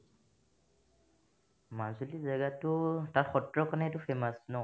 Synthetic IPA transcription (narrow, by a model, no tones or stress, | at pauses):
mazulizaɡatʊtaɹxɔtɹɔkɔnɛtʊfʰɛmasnɔ